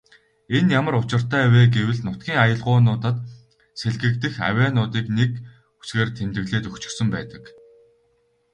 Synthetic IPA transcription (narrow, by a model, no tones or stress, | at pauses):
enjamə̆ɾʊt͡ɕɪ̆r̥t̪æːweːɡewɘ̆ɮnʊt̪̚ɡʲiːŋajə̆ɮʁʊːnʊːt̪ə̆t̪ | seɮɣɘ̆kt̪ɘ̆xæ̰wʲæːnʊːt̪iːknek | u̥sɡeːrt̪ʰemt̪ɘ̆ɣɮeːt̪ɵkt͡ɕɪ̥̆rsɵ̆mpæ̰ːt̪ə̥̆k